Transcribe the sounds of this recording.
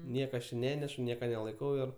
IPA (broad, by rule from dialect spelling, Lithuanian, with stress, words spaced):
ˈnʲiɛkɐ ɐʃ t͡ʃʲɪ ˈnʲæːnʲɛʃʊ ˈnʲiɛkɐ nʲɛlˠɐɪˈkɐʊ ɪr